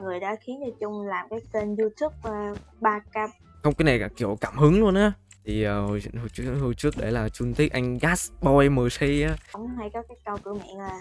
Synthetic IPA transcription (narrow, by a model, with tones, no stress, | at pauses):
ŋɨ˨˩əjɗa̰ː˧˥xi˨˦ənt̪i˧˩t͡ɕʊ˧ŋ͡mlaː˨˩mkaː˨˦jt̪e˧nzu˧t̪ʰu˦˥p̚əː˧˩ɓaː˧kaː˧˥p̚ | xə˧wŋ͡mkaː˨˦jna˨˩jkaː˧˩kḭ˧˩əwkaː˧˩mhɨ˨˦ə˦ŋlu˧ənaː˨˦ | t̪ʰi˨˩ʔəː˨˩ho̰˨˩jzə̰˧˨nht͡ɕhɨ˧ət͡ɕɨ˦˥ək̚ɗe˧˩laː˨˩t͡ɕu˧nt̪i˦˥ək̚ʔa˧jŋ̟ɣaː˦˥sɓɔ˧jməː˨˩si˧jaː˨˦˧wŋ͡mha˧jkɔ˨˦kaː˨˦jkə˧wkɨ̰˧˩mḭ˧˨ənlaː˨˩